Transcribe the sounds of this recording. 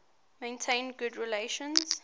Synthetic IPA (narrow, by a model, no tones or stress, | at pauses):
mẽɪ̃ntʰẽɪ̃ndɡʊdɹileʃə̃nz̥